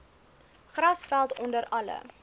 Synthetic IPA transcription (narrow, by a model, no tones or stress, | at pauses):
χrɐsfælˠtɔndəɾɐlə̰